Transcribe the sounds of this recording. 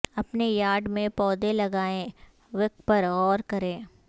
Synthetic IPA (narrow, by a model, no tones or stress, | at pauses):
ɐpnejaːɖmẽpɔːd̪elɐɡaːẽ | ʋɪk̚pɐɾɔːɾkɐɾẽː